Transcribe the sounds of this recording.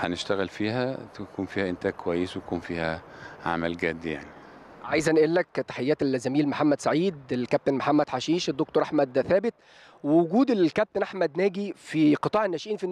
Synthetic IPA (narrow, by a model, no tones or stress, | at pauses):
ħæneʃt̪æɣɪlfiːhækuːnfiːhæʔɪnt̪æːɡ̚kʰowæjːeswkuːnfiːhæ | ʕa̰mælɡæd̪ːja̰ʕni | ʕajzænʔælːækːt̪ːḁħejːæːt̪elːæzæmiːlmoħamːæd̪saʕiːd̪elkæp̚t̪enmoħamːæd̪ħaʃiːʃed̪ːok̚t̪oɾʔaħmæd̪θæːbɪt̪̚ | wewʊɡuːd̪elkæb̚t̪enʔaħmæd̪næːɡifiqɨt̪ˤɑːʕenːæʃʔiːnfi